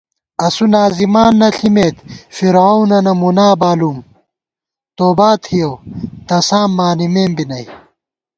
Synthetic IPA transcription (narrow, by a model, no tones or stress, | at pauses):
ɐsunaːzimaːnːɐɬimeːt̪fiɾawnɐnɐmunaːbaːlum | t̪oːbaːt̪hijowt̪ɐsaːmːaːnimeːmbinɐj